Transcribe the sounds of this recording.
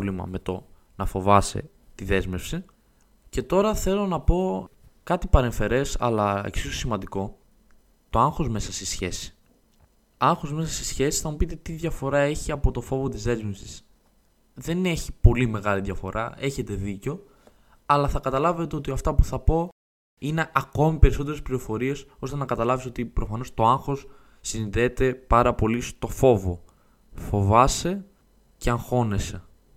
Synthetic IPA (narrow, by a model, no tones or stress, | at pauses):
limɐ̰me̞t̪o̞ | nɐfo̞vɐsḛ | t̪iðe̞zme̞fsi | ce̞t̪o̞ɾɐθe̞lo̞nɐpo̞kɐt̪ipɐɾe̞ɱfe̞ɾe̞sɐ̰lɐḛksiso̥simɐnd̪iko̞ | t̪o̞ɐŋxo̞zme̞sɐst̪isçe̞si̥ | ɐŋxo̞zme̞sɐst̪i̥sçe̞sisθɐmupit̪e̞t̪iðʝɐfo̞ɾɐe̞çiɐpo̞t̪o̞fo̞vo̞t̪izðe̞zme̞fsis | ðe̞ne̞çi̥po̞lime̞ɣɐliðʝɐfo̞̰ɾʔɐe̞çe̞t̪e̞ðiceo̞ | ɐlɐθɐkɐt̪ɐlɐve̞t̪eo̞t̪iɐft̪ɐpuθɐpo̞ | ine̞ʔɐko̞mipe̞ɾiso̞t̪̬eɾespliɾo̞fo̞ɾie̞so̞st̪e̞nɐkɐt̪ɐlɐviso̞t̪ipɾʔo̞fɐno̞st̪o̞ɐŋxo̞sː | inid̪et̪e̞pɐɾɐpo̞list̪o̞fo̞vo̞ | fo̞vɐse̞ | ce̞ɐŋxo̞ne̞se̞